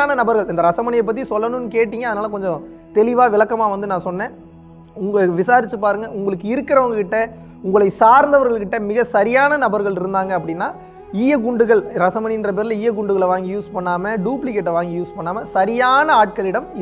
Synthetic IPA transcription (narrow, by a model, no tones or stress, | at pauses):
aːnɐnɐbɐɾɣɐɭɪnd̪ɐɾɐsɐmɐnɪjɐɪp̬ːɐt̪̬ːisɔlːɐnɯ̃nːɯkeːʈːiːŋɡɐɐðɐnaːlɐk̬ɔɲd͡ʒɔ̃ | t̪ɛlɪʋaːʋɪlɐkːɐmaːʋɐnd̪ɯnãːsɔnːẽː | ʊŋɡɐɭʋɪsaːɾɪt͡ʃːɯpaːɾɯŋɡɐʊŋɡɐɭɯkːɯɪɾɯkːɪɾɐʋɐŋɡɐkɪʈːɐ | ʊŋɡɐɭɐɪsaːɾnd̪ɐʋɐɾɣɐɭkːɪʈːɐmɪɣɐsɐɾɪjaːnɐnɐbɐɾɣɐɭɪɾɯnd̪aːŋɡɐːp̬ːɐɽɪnːaː | iːjɐɡʊɳɖɯɣɐɭɾɐsɐmɐnɪɪndrɐpeːɾɪlɐiːjɛɡʊɳɖɯɣɐɭʋaːŋɡijuːspɐɳːaːmɐɖuːplɪkeːʈːɐʋaːŋɡijuːspɐɳːaːmɐsɐɾɪjaːnɐaːʈ̚kɐɭɪɽɐm